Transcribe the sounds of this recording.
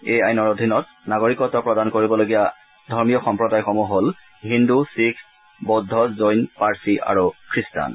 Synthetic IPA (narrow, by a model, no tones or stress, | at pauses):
ejajnɔɹodʱinɔt̚ | naɡoɹikɔtɔpɹɔdankoɹibɔloɡija | dʱɔɹmijɔxɔmpɹɔdajxɔmuɦol | ɦindusikʰ | bɔdʱːɔzojnpaɹsiʔa̰ɹukʰɹista̰n